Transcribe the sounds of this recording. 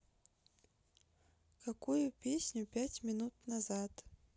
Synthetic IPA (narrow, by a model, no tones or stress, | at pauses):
kakujupʲʰe̞sʲnʲupʲatʲmʲinut̚ʰʼnazad